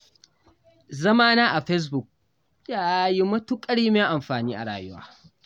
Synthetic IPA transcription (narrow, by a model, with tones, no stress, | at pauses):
zɐ˦maː˦naː˦ʔa˨ɸɛ˦s̬bʊ˨k̚ | jaː˦ji˦mɐ˦tu˦kʼɐ˦ɽiː˦me˦ʔa˨mɸaː˨niː˦ʔa̰˨ɽa̰ː˨jʊ˦wa̰ː˦